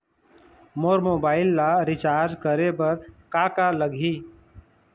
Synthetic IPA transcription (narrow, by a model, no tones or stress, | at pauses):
moːɾmoːbaːɪlːaɾɪt͡ʃaːɾd͡ʒkəɾebəɾkaːkaləɡʱiː